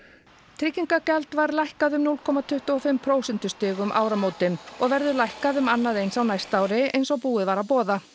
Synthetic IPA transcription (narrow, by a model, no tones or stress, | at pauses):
t̪ʰɾɪcːiŋkacɛlt̪vaɾlajhkaðʏmnulkʰɔmat̪ʰʏht̪ʏɔfɪmpʰɾoːwsɛnt̪ʏ̥st̪ʏːɣʏmʔaːwɾamoːwt̪ɪnɔɣvɛɾðʏlajhkaðʏmanːaðejnsawnajst̪aːwɾɪejnsɔɣpuːɪðvaːɾapɔːða